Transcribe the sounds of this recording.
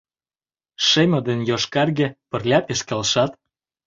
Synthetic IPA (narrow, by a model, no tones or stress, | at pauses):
ʃemʲɤ̆d̪enjoʃkɑrɣĕpə̆rlʲɑt̪eʃkelʃɑt̪